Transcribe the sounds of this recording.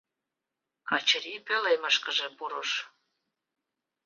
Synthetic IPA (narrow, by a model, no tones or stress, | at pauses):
kɑt͡ɕəɾipøleməʃkə̆ʒĕpuɾoʃ